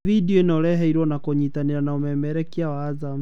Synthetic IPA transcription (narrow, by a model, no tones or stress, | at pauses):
vidiɔinɔlɛɦɛiɾwɔnakɔɲitaniɾanaumɛmɛɾɛkiawaːzam